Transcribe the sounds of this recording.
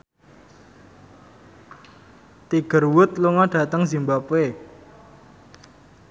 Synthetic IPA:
t̪iɡ̥ə̤rwʊt̪luŋaɖ̥a̤t̪əŋzimbape

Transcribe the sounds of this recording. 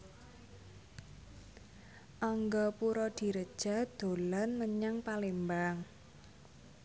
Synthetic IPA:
ʔaŋɡɔpuɾɔd̪̥i̤ɾəd̥ʒ̥a̤d̪̥o̤lanməɲaŋpalembaŋ

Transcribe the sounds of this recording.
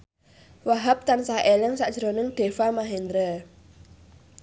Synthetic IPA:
waɦap̚t̪ansahʔelɛŋsaʔd̥ʒ̥ɾonɪŋɖ̪̥e̤famaɦend̪ɾə

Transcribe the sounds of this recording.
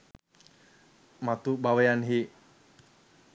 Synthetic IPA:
mat̪ubawejanɦi

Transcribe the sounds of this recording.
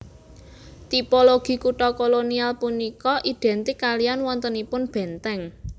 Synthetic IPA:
t̪ipoloɡ̥i̤kuʈɔkolonialpunikɔʔiɖ̪̥ɛnt̪ɪkːalijanwɔnt̪ənipʊnb̥ɛ̤nt̪ɛŋ

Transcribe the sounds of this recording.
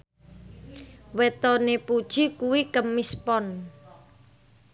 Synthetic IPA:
wet̪ɔnepud̥ʒ̥i̤kuwikəmːispɔn

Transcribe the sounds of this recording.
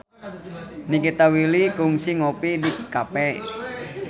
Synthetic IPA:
nikit̪awilikʊŋsɪŋopidikapɛ

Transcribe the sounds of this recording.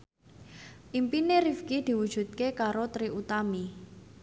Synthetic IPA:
ʔimpineɾifkid̪̥i̤wud̥ʒ̥ṳt̪̚kekaɾot̪ɾiut̪ami

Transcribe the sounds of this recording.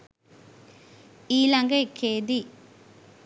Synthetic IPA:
iːlɐŋɡɐkʰeːði

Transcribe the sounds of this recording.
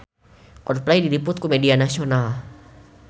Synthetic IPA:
kɔr̚plajdilipʊt̪̚kumɛdianasional

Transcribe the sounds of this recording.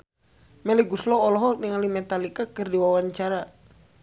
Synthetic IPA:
mɛliɡuslɔːlɔɦɔniŋalimɛt̪alikakərdiwawaɲt͡ʃaɾa

